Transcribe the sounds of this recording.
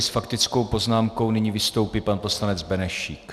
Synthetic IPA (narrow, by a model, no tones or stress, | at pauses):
sfakt̪ɪt͡sko̞wpo̞znaːmko̞wnɪɲiːvɪst̪o̞wpipanpo̞slanɛd͡zbɛnɛʃiːk